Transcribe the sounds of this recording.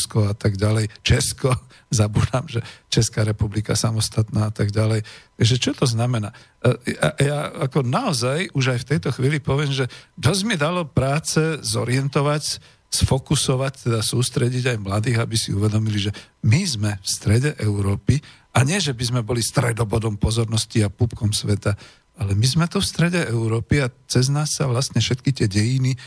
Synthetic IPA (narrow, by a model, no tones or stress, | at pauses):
skɔat̪aɡɟalɛjt͡ʃɛskɔ | zabuːd̪amʒɛt͡ʃɛskaːɾɛpublika̰samɔst̪at̪naːat̪aɡɟalɛjʒɛt͡ʃɔt̪ɔznamɛnaː | a̰jaakɔnaɔzajuʒajft̪ɛjt̪ɔxʋiːlipɔʋɪɛmʒɛd̪ɔzmid̪alɔpɾaːt͡sɛzɔɾɪɛnt̪ɔʋac | sfɔkusɔʋact̪ɛd̪asuːst̪ɾɛɟiɟajmlad̪iːɣabisḭuʋɛd̪ɔmiliʒɛmizmɛfst̪ɾɛɟɛʔɛʊɾɔːpi | ʔaɲɪɛʒɛbizmɛbɔlist̪ɾɛd̪ɔbɔd̪ɔmpɔzɔɾnɔsciapupkɔmsʋɛt̪a | alɛmizmɛt̪ufst̪ɾɛɟɛɛʊɾɔːpiat͡sɛznaːsːaʋlast̪ɲɛfʃɛt̪kit̪ɪɛɟɛjini